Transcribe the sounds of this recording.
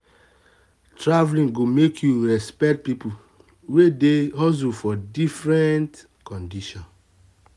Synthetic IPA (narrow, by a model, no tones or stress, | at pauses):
tɹavlĩŋɡomekʰjuɹɛspɛk̚t̚pipu | wedeɦɔzufɔdifɹɛ̃nt | kɔ̃ndiʃɔ̃n